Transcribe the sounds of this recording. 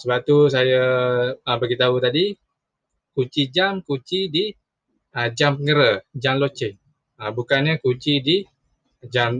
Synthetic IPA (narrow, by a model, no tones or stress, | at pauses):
səbap̚t̪us̬ajaəbaɡit̪aut̪adi | kut͡ʃid͡ʒamkut͡ʃidi | əd͡ʒampəŋəɾəd͡ʒamlot͡ʃɪk̚ | əbukanɲəkut͡ʃidi | d͡ʒam